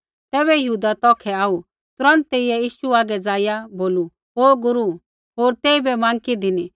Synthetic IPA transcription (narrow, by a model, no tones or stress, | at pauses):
t̪ɛːβɛjɐɦuːd̪at̪ɔːkʰɛaːu | t̪ʊɾɐ̃nt̪̚t̪eiɛjiːʃuaːɡɛd͡zaːɪjaboːlu | ɦoːɡʊɾu | ɦoːɾt̪ɛːibɛmãːŋkid̪ʱɪni